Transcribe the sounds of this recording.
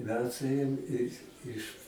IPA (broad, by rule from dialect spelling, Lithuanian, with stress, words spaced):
ˈmʲɛs ˈeːjoːm ɪ ɪʃ